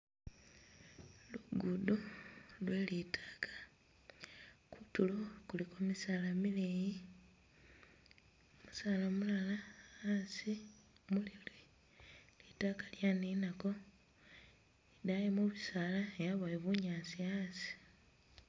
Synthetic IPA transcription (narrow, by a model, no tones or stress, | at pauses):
luɡudolwelitʰḁːkʰḁ | kʰutulokulikomisalamileji | musaːlomulalaasimulilwe | litakḁljaninako̞ | edajimuβisalaejaβoeβuɲaːsiasi̥